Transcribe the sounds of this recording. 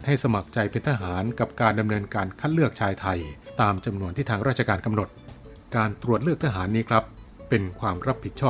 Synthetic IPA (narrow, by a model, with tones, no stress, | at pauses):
t̪̚ha˥˩jsa˧ma˨˩k̚t͡ɕa˧jpe˧nt̪ʰa˧ɦaː˩˦nka˨˩p̚kaː˧nda˧mnɤː˧nkaː˧nkʰa˦˥t̪̚lɯ˥˩ək̚t͡ɕʰaː˧jt̪ʰa˧jt̪aː˧mt͡ɕa˧mnu˧ənt̪ʰiː˥˩aː˧ŋɾaː˥˩t͡ɕʰa˧kaː˧nka˧mno˨˩t̪̚ | kaː˧nt̪ɾu˨˩ət̪̚lɯ˥˩k̚t̪ʰaː˧ɦaː˩˦nːiː˦˥kʰɾa˦˥pː | e˧nkʰwaː˧mɾa˦˥pʰːi˨˩t̪̚t͡ɕʰɔː˥˩